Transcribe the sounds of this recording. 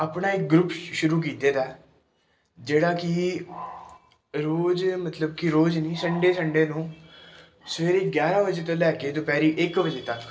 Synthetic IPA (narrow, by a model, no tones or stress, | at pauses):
aːpɳaːɪk̚ɡɾupʃʊɾuːk̬iːt̪eːd̪ɛː | d͡ʒeːɽaːkɪ | ɾoːd͡ʒmət̪ləb̚kɪɾoːd͡ʒnĩːsəɳɖeːsəɳɖeːnũː | səʋeːɾeːɡjaːɾãːbəd͡ʒeːt̪̬õːlɛːkeːt̪õːpɛːɾiːʔɪkbəd͡ʒeːt̪əkː